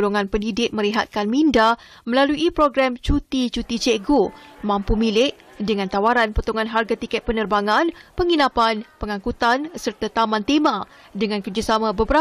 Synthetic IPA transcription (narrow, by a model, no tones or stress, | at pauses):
oloŋãnpəndidɪk̚mə̃ɾiɦat̪̚kanmĩnda | mə̃laluʔipɾoɡɾamt͡ʃut̪it͡ʃut̪it͡ʃeɡomãmpumĩlɪʔ̚ | dəŋãnt̪awaɾanpət̪oŋãnɦarɡat̪ikɛt̪̚pənərbaŋanpəŋinapanpəŋãkut̪ansərt̪at̪amãnt̪emã | dəŋãnkərd͡ʒasamãbəbəɾa